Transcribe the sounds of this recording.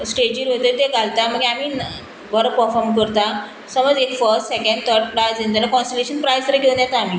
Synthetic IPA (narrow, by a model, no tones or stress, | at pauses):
sʈed͡ʑiːɾɦot̪ət̪eɡʱalt̪am̤əɡeamiː | bəɾəpəɾfɔɾmkəɾt̪a | səməd͡zekfəɾsʈsekə̃ɳɖ̚t̪ʰəɾɖ̚pɾajzẽnt̪əlakɔ̃nsʈeleɕənpɾajst̪əɾekʰew̃njat̪aːmiː